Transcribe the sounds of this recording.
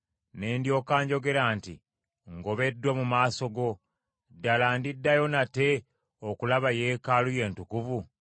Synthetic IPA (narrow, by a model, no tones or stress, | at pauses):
ne̞ːndjo̞ːkaːɲɟo̞ɡe̞ɾaːnti | ŋɡo̞βe̞dːwamumaːso̞ɡo̞ | dalaːndidːajo̞nate̞ | okulaβaje̞ːkaluje̞ːntukuvu